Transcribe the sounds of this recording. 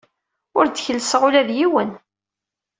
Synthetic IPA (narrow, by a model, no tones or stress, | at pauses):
ʊɾd̪əçəlsəʁulæðjiwən